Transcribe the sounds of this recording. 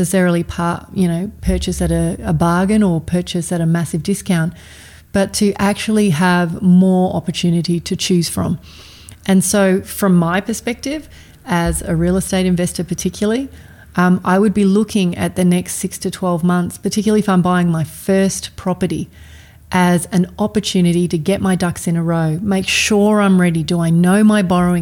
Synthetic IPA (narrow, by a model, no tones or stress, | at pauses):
ɨsɛɹl̩ˠipʰɑjɨñoʊpʰɜ˞t͡ʃɨsɨɾɨəbɑɹɡɨ̃nə˞pʰɜ˞t͡ʃɨsɨɾɨmæsɨvdɪskʰãʊ̃nt | b̥ʌtʰɨʔæk̚t͡ʃul̩ˠiəvmɔɹɑ̰pə˞tʰʉnɨɾiɾɨt͡ʃʰʉz̥fɹʌ̰̃m | ʔɨ̃nsoʊfɹʌ̃maɪpʰə˞spɛk̚tɪv | ɨzɨɹilˠəsteɪɾɨ̃ɱvɛstə˞pʰə˞tʰɪkʰjl̩ˠi | a̰ɪwɨd̚bilʊkʰɪ̃ŋɨ̰t̪̚ðɨnɛkstsɪkstʰɨtʰw̥ɛlˠvmʌ̃nθspʰə˞tʰɪkjl̩ˠifãɪ̃mbaɪɪ̃ŋmaɪfɜ˞spʰɹ̥ɑpə˞ɾḭ | ʔɨzɨ̃nɑpə˞tʰʉnɨɾiɾɨɡɛʔ̚maɪdʌksɨ̃nəɹoʊmeɪkʃʊɹãɪ̃mɹɛɾidəaɪnoʊmaɪbɑɹoʊɪ̃